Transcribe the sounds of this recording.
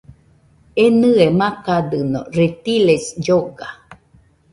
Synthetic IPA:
enɨemãkad̪ɨno̰rit̪ilesd͡ʒoɡa

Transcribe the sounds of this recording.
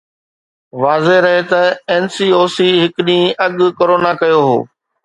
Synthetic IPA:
ʋaːzeɾɐɦet̪ɐeːnsiːoːsiːɦɪkɗĩːɐɠʊkoːɾoːnakɐjoɦo̰ː

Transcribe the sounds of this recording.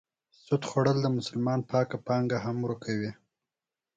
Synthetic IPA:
sʊt̪xoɽəld̪əmʊsʊlmɑnpɑkapɑŋɡaɦamɾukʰawi

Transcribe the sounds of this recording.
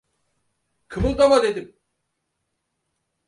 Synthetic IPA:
kʰɯmɯlˠd̪amad̪ed̪im

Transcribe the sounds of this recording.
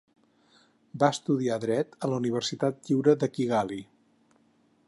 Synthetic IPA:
baəst̪uðiaðɾɛt̪ələuniβ̞ərsit̪at̪̚ʎiwɾəðəkiɣali

